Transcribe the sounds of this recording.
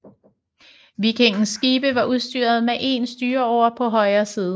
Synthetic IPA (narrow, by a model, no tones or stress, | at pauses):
ʋikʰeŋ̰n̩sːɡ̥iːb̥əʋɑ̈ʔuðˠsd̥yɐð̞ˠmeʔe̝̰nsd̥yːɐɒʊ̰ɐpʰɒ̽ɦɒ̽ɪɐːsiːð̞ˠ